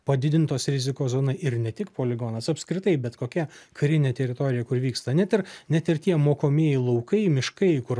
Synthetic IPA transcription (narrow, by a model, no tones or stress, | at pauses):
pɐd̪ʲɪd̪ʲɪnt̪oːsɾʲɪzʲɪkoːzoːnɐɪʔɪɾnʲɛt̪ʲɪkpoːlʲɪɡɔnɐsɐpskɾʲɪt̪ɐɪbʲɛt̪koːkʲɛkɐɾʲɪnʲeːt̪ʲɛɾʲɪt̪oːɾʲɪjɛkʊɾʋʲiːkst̪ɐnʲɛt̪ʲɪɾnʲɛt̪ɪrt̪ʲiɛmoːkoːmʲiɛjɛɪlˠɐʊkɐɪmʲɪʃkɐɪkʊɾ